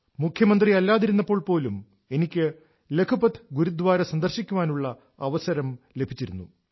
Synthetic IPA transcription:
mukʰjɐmɐnd̪riɐlːaːðiɾunːɐpːo̞ːɭpo̞ːlum | e̞nikʲːɨ | le̞kʰupɐt̪ʰːɨɡuɾud̪ʋaːɾesɐnd̪ɐrɕikʲːuʋaːnuɭːɐ | ɐʋɐsɐɾɐmle̞bʱit͡ɕːiɾunːṵ

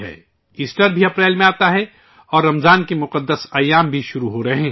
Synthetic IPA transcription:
ɦɛ̰ː | iːsʈəɾbʱiɐpɾɛːlmẽaːt̪aɦɛ | ɔːɾːɐmzaːnkemʊqəd̪ːəsaːjaːmbʱiʃʊɾuɦoɾɐɦẽː

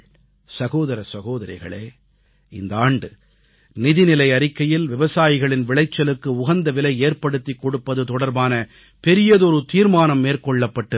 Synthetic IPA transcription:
sɐɣoːðɐɾɐsɐɣoːðɐɾɐ̰ɪɣɐ̰ɭeː | ɪ̰nd̪ɐaːɳɖɯ | nɪðɪnɪlɐɪɐɾɪkːɐjɪlʋɪʋɐsaːjɪɣɐɭɪnʋɪɭɐɪt͡ʃːɐlɯkːɯʊɣɐnd̪ɐʋɪlɐɪeːɾpɐɽɯt̪ːikːɔɽɯpːɐðɯt̪ɔɽɐɾbaːnɐ | pɛɾɪjɐðɯɔɾɯt̪iːɾmaːnɐmːeːrkɔɭːɐpːɐʈːɯ

